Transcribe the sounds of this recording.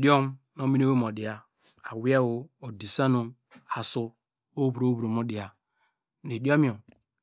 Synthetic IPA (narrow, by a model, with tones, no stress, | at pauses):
di˦o˦m˦ | no˦mi˦o˦wo˦m˨o˨di˨a˦ | a˨wi˦a˦wo˨o˨di˨sa˦no˦ | a˨su˦ | o˦bu˨ɾo˨˦bu˨ɾo˨mo˦di˨a˦ | ne˨di˦o˦mi˦o˨m